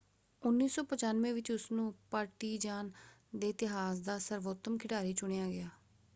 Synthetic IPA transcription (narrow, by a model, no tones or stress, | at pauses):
ʊnːiːsɔːpət͡ʃaːnʋẽːʋɪt͡ʃʊsnũːpaːɾʈiːd͡ʒaːn | d̪eːɪt̪ɪɦaːsd̪aːsəɾʋoːt̪ːəmkʰɪɖaːɾiːt͡ʃʊɽ̃eːaːɡɪjaː